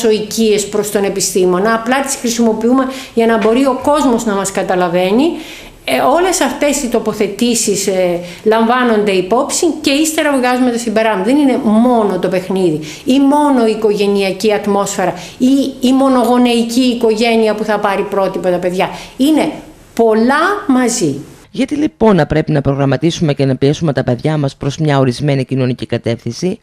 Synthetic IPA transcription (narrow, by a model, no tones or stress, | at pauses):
o̞icie̞spɾo̞st̪o̞ne̞pist̪imo̞nɐːplɐt̪i̥sxɾisimo̞piume̞ʝɐnɐbo̞ɾio̞ko̞zmo̞znɐmɐskɐt̪ɐlɐve̞ni | o̞le̞sɐft̪e̞sit̪o̞po̞θe̞t̪isis | lɐɱvɐno̞nd̪e̞ipo̞psince̞ist̪e̞ɾɐvɣɐzumet̪ɐsimbe̞ɾɐzðe̞nine̞mo̞no̞t̪o̞pe̞xniði | imo̞no̞iːko̞ʝe̞niɐciɐt̪mo̞sfe̞ɾɐiːmo̞no̞ɣo̞neiciːko̞ʝe̞niɐpuθɐpɐɾipɾo̞t̪ipɐt̪ɐpe̞ðʝɐine̞ | po̞lɐmɐzi | ʝɐt̪ilipo̞nɐpɾe̞pinɐpɾo̞ɣɾɐmɐt̪isumecenɐpie̞sume̞t̪ɐpe̞ðʝɐmɐspɾo̞zmɲɐo̞ɾizme̞nicino̞nicikɐt̪e̞fθinsi